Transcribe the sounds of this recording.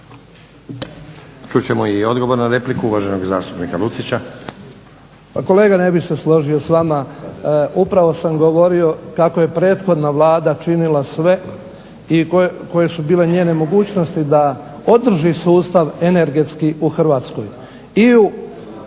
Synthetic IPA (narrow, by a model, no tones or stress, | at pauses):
t͡ʃut͡ɕemoio̞d̪ɡo̞ʋoɾnaɾe̞plikuuʋaʒenoɡza̰ːst̪u̥pnikalut̪sit͡ɕa | ako̞le̞ːɡane̞bixse̞slˠo̞ʒio̞sʋama | upɾaʋo̞samɡo̞ʋo̞ɾio̞kako̞je̞pɾe̞ːt̪xo̞d̪naʋlˠaːd̪at͡ʃinilasʋe̞ | iko̞je̞subiːle̞ɲe̞ːne̞mo̞ɡuːt͡ɕno̞st̪id̪ao̞d̪r̩ʒisuːst̪aʋene̞ɾɡe̞t̪skiuxr̩ʋaːt̪sko̞j | iu